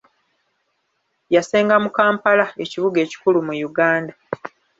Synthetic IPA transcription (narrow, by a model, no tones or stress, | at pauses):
jase̞ːŋɡamukaːmpalae̞ciβuɡe̞ːci̥kulumujuɡaːnda